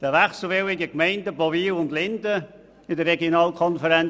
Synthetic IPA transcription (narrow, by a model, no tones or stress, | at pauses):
d̥əʋæχsl̩ˠvɪwɪɡəkmɛɪndəbɔviːwʊndlɪndə | ɪdərɛɡjonɑːlkʰɔnfəɾɛn